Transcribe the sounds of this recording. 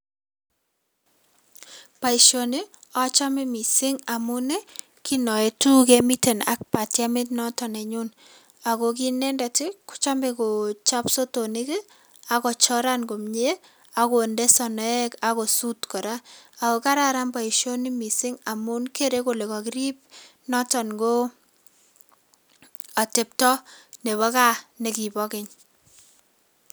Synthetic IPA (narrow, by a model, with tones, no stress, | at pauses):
pa˨i˨ʃo˨ni˦ | ɔ˦t͡ʃa˦mi˦mi˨sɪ˦ŋa˨mʊ˦ne˦ | ki˦nɔ˨e˨tu˦kemi˦te˨na̰˦k̚pa˨tja˦mɪ˦t̬nɔ˦tɔ˨nɛ˨ɲu˦n | a˨ko˨k̬i˦nɛ˦nda˨tɪ˦kʊ̥˦t͡ʃa˦mbe˦ko˨t͡ʃa˦pso˦to˨ni˦kɛ˦ | a˨kɔ˨t͡ʃɔ˦ɾa˦nɡo˨mɲe˦ | a˨ko˨nde˦sɔ˨nɔ˦ɛ˦ka˨ko˨su˦tkɔ˨ɾa˦a˨ko˨ka˦ɾa˨ɾa˦mba˨i˨ʃo˦ni˦mi˨sɪ˦ŋa˨mu˦nke˦ɾe˦ko˨le˨kɔ˨kɪ˦ɾi˦p̚nɔ˦tɔ˨nɡo˦ | a˨te˨p̚tɔ˦ne˨βɔ˦ka˦ne˨ki˨bɔ˦kɪ˦ɲ